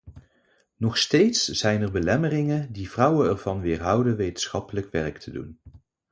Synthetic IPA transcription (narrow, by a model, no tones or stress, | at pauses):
nɔχstejtsz̥ɛjnɛrbəlɛmərɪŋədiv̥rʌwənɛɹvɑnʋɪːɹɦʌwdəʋejtənsχɑpələkʋɛɹktʰədṵn